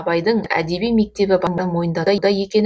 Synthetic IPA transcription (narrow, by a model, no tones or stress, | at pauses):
bɑjd̪əɴæ̰d̪e̞bijme̞k̚t̪e̞bɪbɑnbɑnmo̞jənd̪ɑd̪ɑd̪ɑje̞kʲe̞n